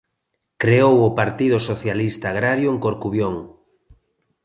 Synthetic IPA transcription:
kɾeowʊpaɾt̪iðʊsoθjalist̪aːɣ̞ɾaɾjʊeŋkoɾkuβjoŋ

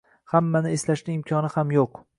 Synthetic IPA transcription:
hamːanɪeslaʃnʲɪɪmkʲʰɒnɪhamjoq

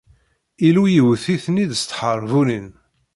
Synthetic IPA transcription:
ilujəwθiθniðst̪ːħəɾˤvulin

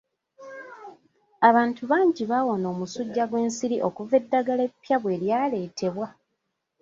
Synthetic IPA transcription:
aβaːntuβaːɲɟiβawo̞no̞ːmusuɟːaɡwe̞ːnsiɾiʔo̞kuve̞dːaɡale̞pːjaβwe̞ːljaːle̞ːtʰe̞βwa

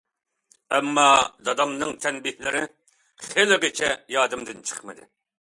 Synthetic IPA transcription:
ɛmːɑd̪ɑd̪ɑmnɨŋt̪ʰɛnbɪh̪lɪɾɪ | χelɪʁet͡ʃʰɛjɑːd̪ɨmd̪ɨnt͡ʃʰə̥χmɨd̪ɪ̰

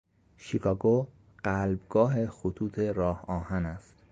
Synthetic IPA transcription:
ʃikʰɒːɡo | ɢ̥ælbɡɒːɦexot̪ʰuːt̪ʰeɾɒːhɒːhænæst̪

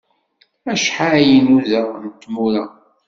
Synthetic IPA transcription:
æʃħajinuðənt̪ːmuɾæ

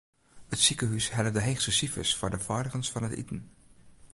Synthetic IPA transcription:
hətsikəɦysɦɛlədəɦejχsəsifə̰sfʊːɹdəvaːɹdəχənsfɑnɦətḭtən

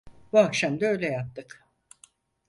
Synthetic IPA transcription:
vakʃamd̪øjlʲɛjap̚t̪ɯk

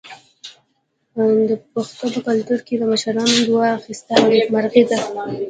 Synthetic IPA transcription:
d̪əpaxt̪opəkalt̪uɾked̪əməʃaɾɑnod̪wɑaxist̪aemaɾɣed̪a

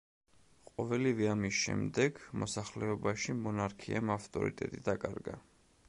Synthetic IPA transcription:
qʼɔvɛlivɛamisʃɛ̰md̪ɛɡmɔsaχlɛɔbaʃimɔnaɾkʰiamaft̪ʼɔ̰ɾḭt̪ʼɛt̪ʼid̪akʼaɾɡa̰

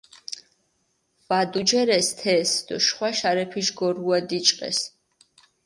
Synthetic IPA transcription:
vad̪ud͡ʒɛɾɛst̪ʰɛsd̪̥ɔʃχwaʃaɾɛpʰiʃɡɔɾuad̪it͡ʃʼqʼɛ̰s

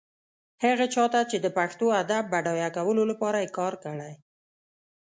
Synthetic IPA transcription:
haɣat͡ʃɑt̪at͡ʃed̪əpaxt̪oad̪abːaɖɑjakawəlolapɑɾajekɑɾkəɽaj

